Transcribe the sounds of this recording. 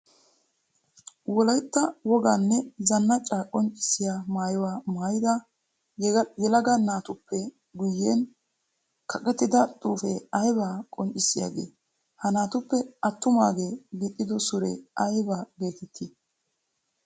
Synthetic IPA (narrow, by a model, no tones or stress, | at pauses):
wɔlɐjt̪ːɐwɔɡaːnːɛzɐnːɐt͡ʃʼːakʼɔnt͡ʃʼɪ̥sɪjaːmaːjɔwaːmaːjɪd̪ɐ | jɛlɐɡɐnaːt̪ʊpːɛ | ɡʊjːeːn | kʰɐkʼɛt̪ːɪd̪ɐt̪ʼuːfɛ̰ɐjbaːkʼɔnt͡ʃʼːɪsːɪja̰ːɡḛː | hɐnaːt̪ʊpːɛɐt̪ːʊma̰ːɡe̞ːɡɛt̪ʼːɪd̪ɔsʊɾɛ̰ɐjbaːbe̞ːt̪ɛt̪ʰːɪ